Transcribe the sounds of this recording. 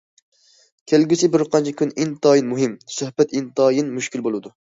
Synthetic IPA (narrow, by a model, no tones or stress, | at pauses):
kʲʰelɡʲysɪbɪɾqʰɑnt͡ʃʰikʲʰynint̪ɑːjinmuɦɪmsøhbɛt̪int̪ɑːjinmuʃkʲilbolˠɨd̪u